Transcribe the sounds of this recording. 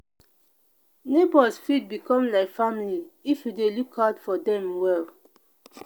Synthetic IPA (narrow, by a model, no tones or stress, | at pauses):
nebɔsfid̚bikɔ̃mlaɪkfamliifjudelukʰhadfɔdɛ̃mwɛl